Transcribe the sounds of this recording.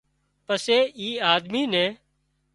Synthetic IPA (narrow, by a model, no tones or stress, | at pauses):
pəseːiːaːd̪miːnɛ̃ː